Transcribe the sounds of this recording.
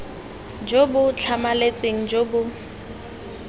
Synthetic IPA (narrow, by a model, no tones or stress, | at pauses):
d͡ʒobʊt͡ɬʰamalet͡sʼeŋ̩d͡ʒobʊ